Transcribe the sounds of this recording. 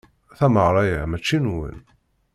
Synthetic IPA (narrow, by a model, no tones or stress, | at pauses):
θæməʁɾˤɑjəmæt͡ʃːinwə̰n